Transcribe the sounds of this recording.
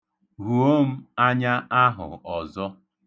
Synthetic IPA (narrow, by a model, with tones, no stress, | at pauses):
ɾu˨o˦m̩˦a˦ɲa˦ʔa˦ɦʊ̰˨ɔ˨zɔ˦